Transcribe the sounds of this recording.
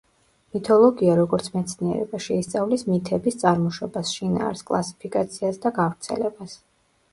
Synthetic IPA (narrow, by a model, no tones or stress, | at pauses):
mit̪ʰɔlˠɔɡiaɾɔɡɔɾt̪sʰmɛt̪sʰniɛ̰ɾɛ̰baʃɛist̪sʼavlismit̪ʰɛbist̪sʼaɾmɔʃɔbasʃina̰ːɾskʼlˠasi̥pʰikʼat̪sʰiasd̪aɡavɾt̪sʰɛ̰lɛbas